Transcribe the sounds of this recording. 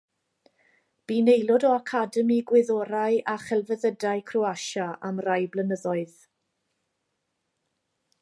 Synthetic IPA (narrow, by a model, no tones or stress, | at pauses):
b̥iːnejlˠɔdɔakʰadəmiɡwɪðɔɾajʔaχɛlˠvəðədaɨkʰruaʃaʔamrajblənəðɔɨð